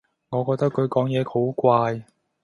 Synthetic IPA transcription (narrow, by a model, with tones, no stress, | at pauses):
ŋɔː˨˧kɔː˧k̚t̪ɐ˥kʰɵ˨˧ɥkɔː˨˥ŋjɛː˨˧hʰo˨˥wkʷaː˧j